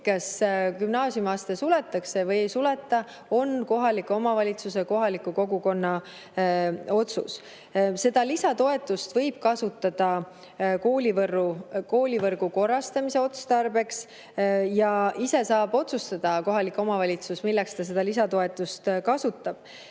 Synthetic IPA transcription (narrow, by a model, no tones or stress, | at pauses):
kɑskymnɑːsʲjumɑːst̪e̞sule̞t̪ːˑɑkse̞vɤjejsule̞t̪ːˑɑ | o̞nko̞ɦɑlikːˑo̞mɑvɑlʲit̪suse̞ko̞ɦɑlikˑːuko̞ɡuko̞nːɑ | o̞t̪sṵs | se̞d̪̥ɑlisɑt̪o̞e̞t̪ːˑust̪vɤjb̥̚kɑsut̪ːˑɑd̪̥ɑ | ko̞ːlivɤrːuko̞ːlʲivɤrɡ̥uko̞rːɑst̪ɑmise̞o̞t̪ust̪ɑrbe̞ks | jɑise̞sɑːb̥o̞t̪sust̪ɑd̪̥ɑko̞ɦɑlikːˑo̞mɑvɑlʲit̪susmilːɛkst̪ɑs̬e̞d̪̥ɑlis̬ɑt̪o̞e̞t̪ːˑust̪kɑsut̪ːˑɑb̥